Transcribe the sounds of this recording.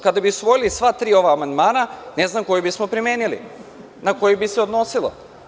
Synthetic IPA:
kad̪abiusʋo̞jilisʋat̪ɾiːo̞ʋaːmand̪maːnane̞znamko̞jebismopɾime̞ːnilḭ | nako̞jibiseod̪no̞silˠo̰

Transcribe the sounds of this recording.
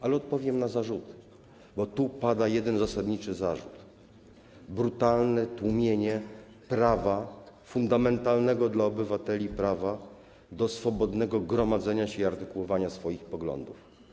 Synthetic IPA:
alɛɔt̪̚pɔvʲjɛmnazaʐut̪ | bɔt̪upad̪ajɛd̪ɛnzasad̪ɲit͡ʂɘzaʐut̪ | bɾut̪alnɛt̪wumʲjeɲɛ | pɾavafund̪amɛnt̪alnɛɡɔd̪laɔbɘvat̪ɛlʲipɾava | d̪ɔsfɔbɔd̪nɛɡɔɡɾɔmad̪zɛɲaɕɛiaɾt̪ɘkuwɔvaɲasfɔjixpɔɡlɔ̰nd̪uf

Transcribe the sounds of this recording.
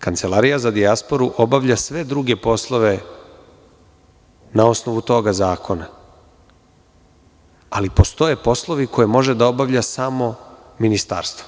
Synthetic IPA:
kant̪se̞laɾijazad̪iaspo̞ɾuʔo̞baʋʎasʋe̞d̪ɾuɡe̞po̞slˠo̞ʋe̞ | nao̞snoʋut̪o̞ɡazaːkʰo̞na | alipo̞st̪o̞jepo̞slˠo̞ʋikʰo̞jemo̞ʒed̪ao̞baʋʎasamo̞ | minist̪a̰ɾst̪vo̥

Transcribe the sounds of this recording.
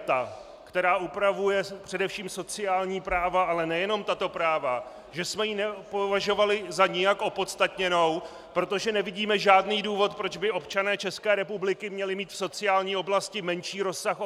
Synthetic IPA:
t̪a | kt̪ɛɾaːʔupɾavujɛpr̝̥ɛdɛfʃiːmso̞t͡sɪjaːlɲiːpɾaːvaalɛnɛjɛno̞mt̪at̪o̞pɾaːva | ʒɛsmɛjinɛpovaʒo̞valɪzaɲɪjakʔo̞po̞t̪st̪at̪ɲɛno̞w | pɾo̞t̪o̞ʒɛnɛvɪɟiːmɛʒaːdniːduːvo̞t̪pɾo̞d͡ʒbɪʔo̞pt͡ʃanɛːt͡ʃɛskɛːɾɛpublɪkɪmɲɛlɪmiːt̪fso̞t͡sɪjaːlɲiːo̞blascɪmɛnʃiːɾo̞sːax

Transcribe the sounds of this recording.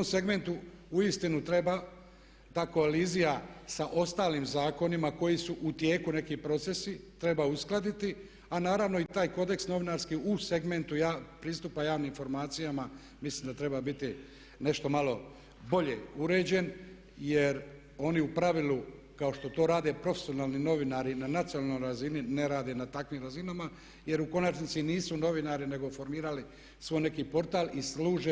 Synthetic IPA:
omse̞ɡme̞nt̪uuist̪inut̪ɾe̞ba | d̪ako̞alizijasaʔo̞st̪aːlimzaːko̞nimako̞jisuʔut̪je̞ːkune̞kipɾo̞t̪se̞sit̪ɾe̞bausklˠad̪it̪i | anaːɾaʋno̞it̪aːjko̞d̪e̞ksno̞ʋinaɾskiuse̞ɡme̞nt̪ujaːpɾiːst̪uːpajaːʋniminfo̞ɾmaːt̪sijama | mislimd̪at̪ɾe̞babit̪i | ne̞ʃt̪o̞malo̞ | bo̞ʎe̞uɾe̞ːd͡ʑe̞n | jeɾ | o̞niupɾaʋilu | kao̞ʃt̪o̞t̪o̞ːɾaːd̪e̞pɾo̞fesio̞naːlnino̞ʋinaɾinanat̪sionalnojɾazinine̞ɾaːd̪e̞nat̪akʋimɾazinama | je̞ɾuko̞nat͡ʃnit̪siniːsuno̞ʋinaɾine̞ɡo̞fo̞ɾmiːɾali | sʋo̞jne̞kiːpo̞ɾt̪aːlˠisluːʒe

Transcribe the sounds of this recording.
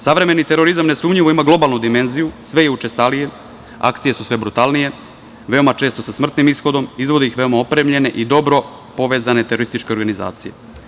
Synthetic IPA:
saʋɾe̞me̞nit̪e̞ɾo̞ɾizamnesuːmʎiʋoimaɡlo̞balˠnud̪ime̞nzijusʋe̞jeut͡ʃe̞st̪alije̞ | a̰kt̪sije̞susʋe̞bɾut̪aːlnije̞ | ʋe̞o̞mat͡ʃeːst̪o̞sasmr̩t̪nimisxo̞d̪o̞mizʋo̞d̪eixʋe̞o̞maopɾe̞mʎe̞ne̞ʔid̪o̞bɾo̞ | po̞ʋe̞zane̞t̪eɾo̞ɾist̪it͡ʃke̞o̞ɾɡaniza̰ːt̪sije̞̰

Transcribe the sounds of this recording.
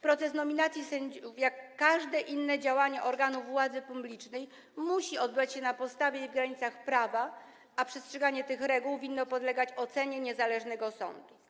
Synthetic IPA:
pɾɔt̪sɛsnɔmʲinat̪sʲjisɛɲd͡ʑufjakːaʐd̪ɛʔinːɛd͡ʑawaɲɛʔɔɾɡanuvːwad̪zɘpublʲit͡ʂnɛj | muɕiɔd̪̚bɘat͡ɕɕɛnapɔt̪st̪avʲjɛivɡɾaɲit̪saxpɾava | apʂɛstʂɛɡaɲɛt̪ɘxɾɛɡuwvʲinːɔpɔd̪lɛɡat͡ɕɔt̪sɛɲɛɲɛzalɛʐnɛɡɔsɔ̰nd̪u

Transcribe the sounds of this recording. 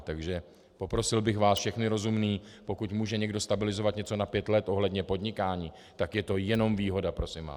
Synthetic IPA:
t̪aɡʒɛ | po̞pɾo̞sɪlbɪxvaːsfʃɛxnɪɾo̞zumniː | po̞kucmuːʒɛɲɛɡdo̞st̪abɪlɪzo̞vat̪ɲɛt͡so̞napjɛt̪lɛt̪ʔo̞ɦlɛdɲɛpo̞dɲɪkaːɲiː | t̪akjɛt̪o̞jɛno̞mviːɦo̞dapɾo̞sɪmva̰ː

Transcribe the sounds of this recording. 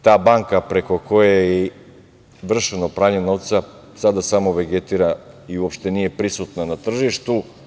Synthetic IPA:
t̪aːbaŋkapɾe̞ko̞kojaje | ʋr̩ʃenopɾaːɲe̞noʋt̪sa | sad̪asamoʋeɡet̪iɾaiuopʃt̪enije̞pɾisut̪nanat̪r̩ʒiʃt̪u

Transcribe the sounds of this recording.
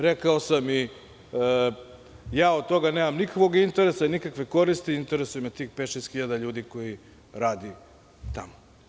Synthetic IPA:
ɾekaosami | jaːod̪̚t̪o̞ɡaneːmamnikakʋo̞ɡint̪e̞ɾesainikakʋe̞ko̞ɾist̪iint̪e̞ɾesujemet̪iːxpet̪ʃest̪xiʎad̪aʎuːd̪iko̞ji | ɾaːd̪i | t̪amo

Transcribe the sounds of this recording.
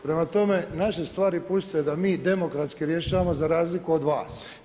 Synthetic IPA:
pɾe̞mat̪o̞me̞naʃe̞st̪ʋaːɾipust̪oed̪amiːd̪e̞mo̞kɾat̪skiɾje̞ʃaːʋamo̞zaɾaːzlikuod̪ʋaːs

